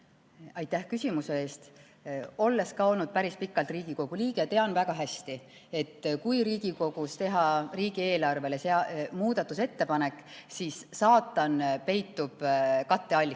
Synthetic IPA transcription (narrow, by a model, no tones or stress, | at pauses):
ɑjt̪ːæhkysʲimuse̞e̞ːst̪ | o̞lːe̞skɑo̞lnud̪̥̚pæɾispikːˑɑlt̪riːɡ̥iko̞ɡ̥uliːɡ̥ejɑt̪eɑnvæɡ̥ɑɦæst̪i | e̞t̪ːkujɾiːɡ̥iko̞ɡ̥ust̪e̞ɦɑriːɡie̞ːlɑrve̞le̞seɑmuːd̪̥ɑt̪ːˑuse̞t̪ːe̞pɑne̞kːˑsiːsːɑːt̪ːˑɑnpe̞jt̪ːˑub̥kɑt̪ːeɑlʲ